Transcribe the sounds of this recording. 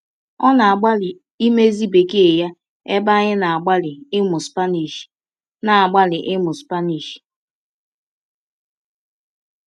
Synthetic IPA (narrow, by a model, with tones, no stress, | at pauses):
ɔ˦na˨a˨ɡ͡ba˦lɪ˨ | i˦me˦zi˦be˨ke˦e˨ja˦ | e˦ba˦ɲɪ˦na˨a˨ɡ͡ba˦lɪ˨ɪ˦mʊ˨spa˦ni˨ʃ | na˨a˨ɡ͡ba˦lɪ˨ʔɪ˦mʊ˨spa˦ni˨ʃ